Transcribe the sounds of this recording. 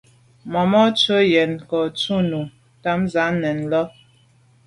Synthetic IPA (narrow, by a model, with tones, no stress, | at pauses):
mɔ˨mɔ˦tə˦jɛ˨nkɔ˨tu˦nu˨ | ta˦mza˨˦nɛ˨n˨lɔ˦